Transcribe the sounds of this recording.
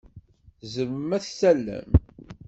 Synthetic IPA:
zəməmæθsælːæ̰m

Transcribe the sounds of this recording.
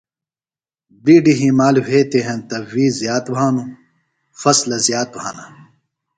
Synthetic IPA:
biːɖiɦĩmaːlweːt̪eɦɐ̃nt̪ɐwiːzjaːt̪bʱaːnu | fɐslɐzjaːt̪̚bʱaːna

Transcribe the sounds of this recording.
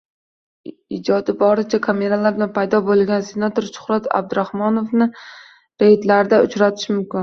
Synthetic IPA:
ɪd͡ʒɒd̪ɪbɒɾɪt͡ʃʰakʰame̞ɾalaɾd̪anpʰajd̪ɒbolˠɡʲanse̞nat̪ʰoɾʃʊ̥χɾat̪ʰa̰b̚d̪ʊɾahmɒnofnɪ | ɾe̞jd̪laɾɪd̪aʊt͡ʃɾat̪ʰɪ̥ʃmʊmkʲɪn

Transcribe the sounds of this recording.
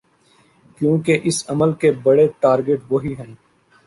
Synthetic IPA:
kjũːkeʔɪsɐməlkebɐɽeʈaːɾɡeʈʋoːɦiɦɛ̃ː

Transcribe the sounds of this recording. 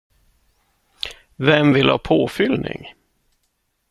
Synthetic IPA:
vɛmvɪlhɑ̰ːpʰoːfʏlnɪ̰ŋ

